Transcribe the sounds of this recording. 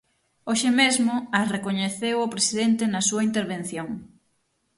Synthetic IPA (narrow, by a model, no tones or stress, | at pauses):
oʃɪmezmʊɐrekoɲeθewopɾesiðent̪ɪnɐsuɐint̪eɾβenθjoŋ